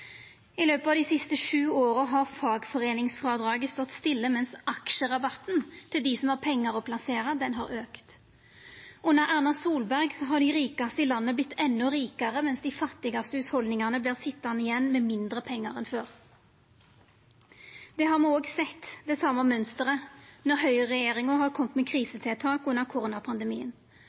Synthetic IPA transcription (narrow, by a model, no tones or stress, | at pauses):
ɪløːpəɑʋd̪isɪst̪əʂʉːoːʁəɦɑʁfɑːɡfɔʁeːnɪŋsfʁɑd̪ʁɑːɡəst̪ɔt̪ːst̪ɪlːəmɛnsɑkʃəʁɑbɑt̪nt̪ʰɪld̪ɪsɔmhɑʁpʰɛŋːɑʁɔpʰlɑseːʁɑd̪ɛnɦɑ̰ʁøːkt̪ | ʔʊnəɾʔæʁnɑsuːlbæʁɡsɔɦɑʁɖ̪ɪʁiːkɑst̪əɪlɑnːəblɪt̪ːɛnːʊʁiːkɑʁəmɛnsd̪ɪfɑt̪ːɪɡɑst̪əʉt̪hɔld̪nɪŋɑnəbliːʁsɪt̪ːɑnəɪjɛnːmɛmɪnd̪ʁəpʰɛŋːɑʁɛnføːʁ | d̪̥ɛɦɑɾmoːɡsɛt̪ːd̪ɛsɑmɑmœnst̪əʁənɔɾhœʏəʁɛjeːʁɪŋʊhɑʁkʰɔmt̪mɛkʰʁiːsət̪ʰɪlt̪ʰɑːkʉnːəʁkʰʊʁoːnɑpʰɑnd̪əmḭːən